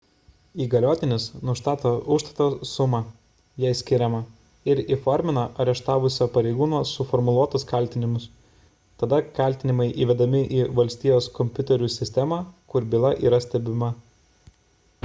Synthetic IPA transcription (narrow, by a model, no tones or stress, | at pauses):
iːɡɐlʲoːt̪ʲɪnʲɪsnʊʃt̪ɑːt̪oːʔʊʃt̪ɐt̪osʊmɑ | jɛɪsʲkʲɪɾʲɛmɐ | ɪɾifɔɾʲmʲɪnɐʔɐɾʲɛʃt̪ɑːʋʊsʲoːpɐɾʲɛɪɡuːnoːsʊfɔɾmʊlˠuɔt̪ʊskɐˑlʲt̪ʲɪnʲɪmʊs | t̪ɐd̪ɐkɐlʲˑt̪ʲɪnʲɪmɐɪʔiːʋʲɛd̪ɐmʲɪʔiːʋɐlʲsʲt̪ʲiːjoːskɔmʲpʲʊt̪ʲɛɾʲuːsʲɪsʲt̪ʲɛmɑːkʊɾbʲɪlˠɐʔḭːɾɐsʲt̪ʲɛbʲɪmɐ